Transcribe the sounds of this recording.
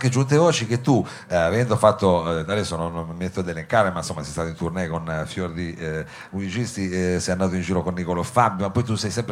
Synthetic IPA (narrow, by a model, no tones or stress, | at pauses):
ked͡ʒunt̪̬evɔːt͡ʃik̟et̪ːu | avɛnd̪ofat̪ːod̪ad̪ɛsːononːmːiet̪ːoad̪ɛleŋkaːɾemansomːasɛjst̪at̪oint̪urnɛkonfjord̪i | muzit͡ʃist̪isɛjanːaːt̪̬oind͡ʒiːɾokonːikolofambjomapːɔjt̪usɛjsɛmpɾ